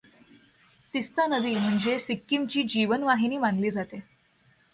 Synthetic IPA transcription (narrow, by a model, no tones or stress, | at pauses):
t̪ist̪anəd̪iːm̤əɳd͡zesikːimt͡ɕiːd͡ʑiʋənʋaɦiniːʋanliːd͡zat̪e